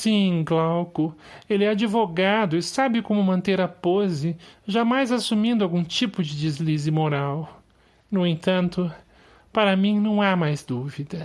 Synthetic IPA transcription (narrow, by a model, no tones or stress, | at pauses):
sĩɡlawkʊelɪɛad͡ʒivoɡad̪ʊɪsabɪkõmʊmɐ̃nt̪eɾɐpozɪʒamajzasumĩnd̪ʊawɡũt͡ʃipʊd͡ʒɪd͡ʒizlizɪmoɾaw | nʊẽt̪ɐ̃nt̪ʊ | paɾɐmĩnɐ̃w̃amajzd̪uvid̪ɐ